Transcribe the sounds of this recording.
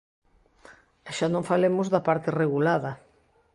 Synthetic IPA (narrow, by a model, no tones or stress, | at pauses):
ɛʃanõŋfalemʊzðɐpaɾt̪ɪreɣulaðɐ